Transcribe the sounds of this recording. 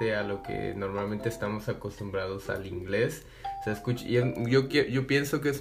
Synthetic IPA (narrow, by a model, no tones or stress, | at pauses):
e̞alo̞kḛno̞ɾmalment̪eːst̪amo̞sako̞st̪umbɾað̞o̞sa̰liŋɡle̞s | oseaeskut͡ʃḭeʝokjeʝo̞pje̞nso̞kees